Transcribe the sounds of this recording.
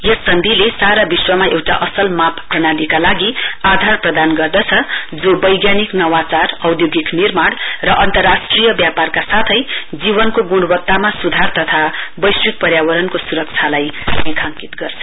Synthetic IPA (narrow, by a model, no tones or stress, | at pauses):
jʌsːʌnd̪ʱilesaɾabiswʌmaewʈa̰ʔʌsʌlmapprʌɽ̃alikalaɡiad̪ʱarprʌd̪anɡʌrd̪ʌt͡sʰʌd͡zobʌjɡjaniknʌwat͡sarʌwd̪joɡiknirmaɽrʌʔʌnt̪ʌrːasʈrijʌbjaparkasat̪ʰʌjd͡zibʌnkoɡuɽbʌk̚t̪ːamasud̪ʱart̪ʌt̪ʰabʌjswik̚pʌrjawʌɾʌnkosuɾʌk̚t͡sʰalajnekʰaŋkit̪ɡʌrt͡sʰʌ̥